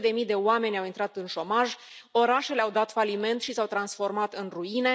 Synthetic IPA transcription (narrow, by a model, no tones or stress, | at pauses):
d̪e̞mijd̪e̞oame̞nʲawint̪ɾat̪ɨnʃo̞maʒ | o̞ɾaʃe̞leawd̪at̪falime̞nt̪ʃisawt̪ɾansfo̞rmat̪ɨnruine̞